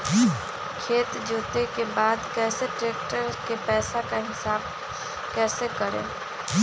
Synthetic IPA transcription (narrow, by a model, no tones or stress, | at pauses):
kʰeːt̪d͡ʒoːt̪ekebaːd̪kɛːseʈɾeːk̚ʈəɾkepɛːsakaɦɪsaːb̚ | kɛːsekəɾḛ̃ː